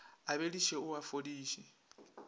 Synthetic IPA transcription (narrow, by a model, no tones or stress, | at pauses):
aβeɺiʃɛuafodiːʃɛ